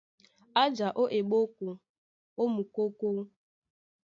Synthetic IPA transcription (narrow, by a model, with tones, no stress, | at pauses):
a˦d͡ʒa˨ʔo˦ʔe˨ɓo˦ku˨ | o˦mu˨ko˦ko˦